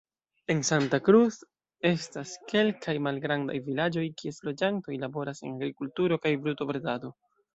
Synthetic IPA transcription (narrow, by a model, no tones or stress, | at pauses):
e̞nsantakɾus | e̞staske̞lkʰajmalɡɾanda̰jvilad͡ʒo̞jkie̞slo̞d͡ʒanto̞jlabo̞ɾase̞̰naɡɾikultuɾo̞kajbɾuto̞bɾedado̞